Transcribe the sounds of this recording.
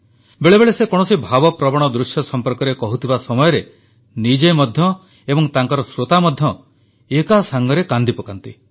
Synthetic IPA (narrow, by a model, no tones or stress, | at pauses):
beɭebeɭesekɔɽ̃ɔsibʱabɔpɾɔbɔɽ̃ɔd̪ɾusjɔsɔmpɔɾkɔɾekɔɦut̪ʰibasɔmɔjɔɾe | nid͡ʒemɔd̪ʱjɔ | ebɔŋt̪aŋkɔɾɔsɾot̪amɔd̪ʱjɔ | ekasaŋɡɔɾekand̪ipɔkant̪i